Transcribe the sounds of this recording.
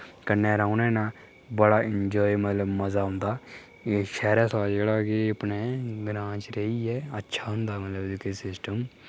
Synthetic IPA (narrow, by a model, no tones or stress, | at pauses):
kənːɛːɾaːunɛːnaː | bəɽaːɪɲd͡ʒɔːimət̪ləbməzaːɦʊ̃nd̪aː | ʃɛːɾɛːsaːd͡ʒeːɽaːɡeəpneːɡɾãːt͡ʃɾeiːɛːətːʃʰaːɦʊ̃nd̪aːmət̪ləbdɪkəsɪsʈəm